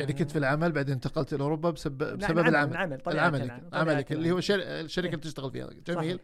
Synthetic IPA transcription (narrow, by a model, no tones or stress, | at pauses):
jaɾikʊnt̪filʕamalbaʕd̪eːnt̪aqɑlt̪ʔɪlʔʊɾubːabsabbsababɪlʕamaɪlʕamalɪklʕamalɪkɪlːihuːaʃːaɾʃːaɾɪkalit̪ɪʃt̪aɣɪlfḭha̰t̪ːamiːl